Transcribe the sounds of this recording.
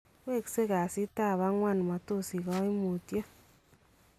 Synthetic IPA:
kwe˦˨kse˦ka˨si˦ta˦˨βa˦ŋwa˦˨n˨ma˨to˦˨si˨kɔ˦i˦mo˨tjɔ˦

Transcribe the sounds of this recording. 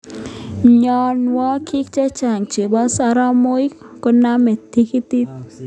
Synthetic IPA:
ɲɔnwɔ˦kʰi˦k̚t͡ʃɛ˦t͡ʃa˨ŋt͡ʃe˨bɔ˦saɾa˦moj | kɔname˨t̪ʰːikit̪i˦t̪̚

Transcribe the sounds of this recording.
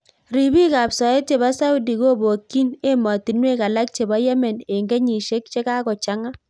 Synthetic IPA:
ɾi˨bi˦ka˨psɔ˨e˦t͡ʃe˨ba˦sa˦u˦di˨ko˦bo˨kːi˦ne˦mɔ˨ti˨nwe˦ka˨la˦k̚t͡ʃe˨ba˦jɛ˦mɛ˨ne˨ŋɡɛ˦ɲi˨ʃe˦kt͡ʃe˦ka˦kɔ˨t͡ʃa˦ŋa˦

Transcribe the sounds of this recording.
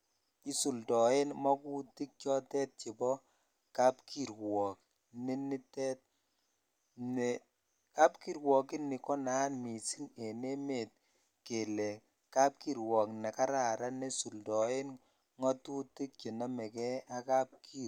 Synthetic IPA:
i˦su˨ldɔ˨e˦nmɔ˦ku˦ti˦k̚t͡ʃɔ˦tɛ˦t̚t͡ʃe˨bɔ˦ | ka˦pkʰi˦ɾwɔ˨k̚ | ne˦ni˦tɛ˦t̚ | ne˨ | ka˦pki˦ɾwɔ˨ki˦ni˨kɔ˦na˨˦nmi˨si˦ne˨ne˦me˨t̚ | ke˨lɛ˨ | ka˦p̚ki˦ɾwɔ˨knɛ˨ka˦ɾa˨ɾa˦ne˦su˨ldɔ˨e˦n | ŋɔ˦tu˦ti˦k̚t͡ʃe˨na˦mɛ˨kɛ˦a˦ka˦p̚kʰi˦

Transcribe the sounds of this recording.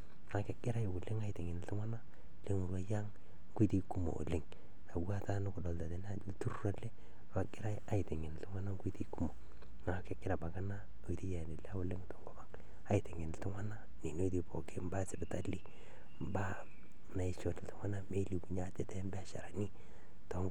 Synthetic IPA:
ŋa˨ke˦ɡɪ˦ɾa˦jo˨ku˨lɪ˦ŋa˦i˨te˨ŋɪ˨n˨tɪ˦ŋwa˦na˦ | le˦ŋu˨ɾwa˦ja˦ŋ˦ | ɡu˦ti˦ku˦mo̰˨lɪ˨ŋ | na˨wu˦a˦ta˦nu˦kʊ˨dɔ˨lda˨de˨n˦tu˦ɾa˦le˦ | ɾwa˦kɪ˦ɾa˦a˦i˨te˨ŋe˨n˨ltu˦ŋwa˦na˦ŋɡu˦ti˦ku˦mo˨ | ŋa˨ke˦kɪ˦ɾa˨ba˨ka˦na˦ | o˨i˨ti˦ja˨ni˨la˦wu˦le˦ŋ˨to˨ŋɡo˦ba˦ŋ | a˦i˨te˨ŋɪ˨n˨tu˦ŋwa˦na˦ | ni˨n˦o˦ti˦po˨ke˦m˦ba˦sɪ˨bɪ˨ta˦li˦ | m˨ba˦ | na˨i˨t͡ʃo˨tltɪ˦ŋʷwa˦na˦me˦li˨ku˨ɲa˦tɛ˦tɛ˦mbɛ˦a˦˨ʃa̰˨ɾa˨ni˦ | to˨ŋ

